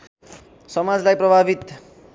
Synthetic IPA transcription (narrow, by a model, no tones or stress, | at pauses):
sʌmad͡zlajprʌbʱabit̪